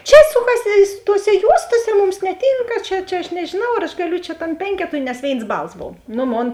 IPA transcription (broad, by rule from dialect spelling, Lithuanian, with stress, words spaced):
ˈt͡ʃʲɛ ˈsʊkɐsʲɪ sʊ toːˈsʲɛ ˈjuɔstoːsʲɛ ˈmʊms nʲɛˈtʲɪŋkɐ ˈt͡ʃʲɛ ˈt͡ʃʲɛ ɐʃ nʲɛʒʲɪˈnɐʊ ɐr ɐʃ ɡɐˈlʲʊ t͡ʃʲɛ ˈtɐm ˈpʲɛŋʲkʲɛtʊɪ nʲɛs ˈʋʲeːɪns ˈbɐlˠs ˈboːw ˈnoː ˈmoːn